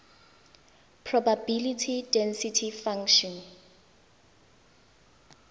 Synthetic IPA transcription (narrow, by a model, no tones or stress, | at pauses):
pʰrɔbabilitʰidɛnsitʰifaŋʃɔn